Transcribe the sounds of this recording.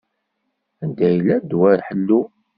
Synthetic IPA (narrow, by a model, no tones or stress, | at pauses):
ænd̪æjlæd̪wæɾħəlːu